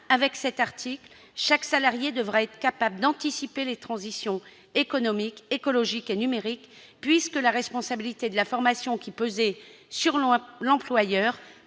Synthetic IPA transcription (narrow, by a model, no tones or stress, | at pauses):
avɛksɛt̪aʁt̪ʰikl | ʃaksalaʁjed̪əvʁaɛt̪χə̥kapabləd̪ɑ̃t̪isipelet̪χɑ̃zisjɔ̃ | ekɔnɔmikekɔlɔʒikenymeʁik | pɥiskəlaʁɛspɔ̃sabilit̪ed̪əlafɔʁmasjɔ̃kʲipøzɛsyʁlɑ̃plwajœːʁ